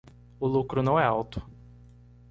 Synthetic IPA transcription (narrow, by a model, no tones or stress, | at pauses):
ʊlukɾʊnɐ̃w̃ɛawt̪ʊ̥